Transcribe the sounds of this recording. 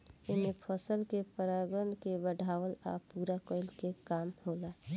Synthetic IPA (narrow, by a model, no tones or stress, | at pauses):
ɪmepʰəsəlkepəɾaːɡənkebəɖʱaːwəla̰puɾakəɪlkekaːmhoːla